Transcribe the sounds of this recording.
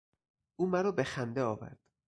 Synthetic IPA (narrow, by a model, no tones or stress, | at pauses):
ʔuːmæɾɒːbe̞xænd̪eɒːvæ̰ɾd̪̥